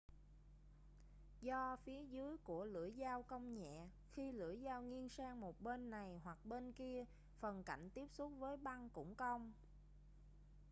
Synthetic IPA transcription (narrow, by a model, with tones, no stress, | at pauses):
zɔ˧fi˨˦əzɨ˨˦əjku˧˩əlɨ̰˧˩əjzaː˧wkə˧wŋ͡mɲɛ̰˧˨ | xi˧lɨ̰˧˩əjzaː˧wŋi˧ənsaː˧ŋmo˨˩t̚ɓe˧nːa˨˩jɦwa˨˩k̚ɓe˧nki˧ə | fə˨˩nka̰˧˩˨jŋ̟t̪i˦˥əp̚sʊ˦˥t̚vəː˨˦jɓa˧ŋkʊ̰˧˥ŋ͡mxə˧wŋ͡m